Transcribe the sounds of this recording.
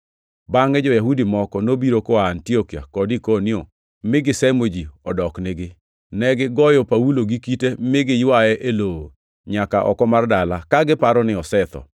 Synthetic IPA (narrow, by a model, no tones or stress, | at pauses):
baŋɛd͡ʒɔjaɦudimɔkɔnobiɾokɔantiokia̰kɔdikonio | mɪɡɪsɛmod͡ʒiɔdɔknɪɡɪ | nɛɡɪɡɔjɔpauloɡikitemɪɡɪjwajɛʔeloo | ɲakaʔɔ̰kɔmardalakaɡɪpaɾɔnɪɔsɛt̪ɔ̰